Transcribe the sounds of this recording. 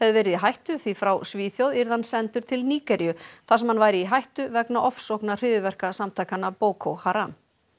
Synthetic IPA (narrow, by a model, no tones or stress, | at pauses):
hɛvðɪvɛːɾɪðiɦajht̪ʏθifɾawsviːθjowðiɾðansɛnt̪ʏɾ̥t̪ʰɪlniːkɛɾjʏθasɛmhanvajɾɪiɦajht̪ʏvɛknaʔɔfsowknar̥ɪːðʏvɛr̥kasamt̪ʰajkanapoːwkʰowhaɾam